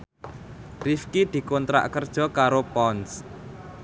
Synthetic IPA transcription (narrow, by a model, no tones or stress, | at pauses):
rifkid̪̥i̤kɔnt̪ɾa̰ʔkərd̥ʒ̥ɔ̤kaɾopɔns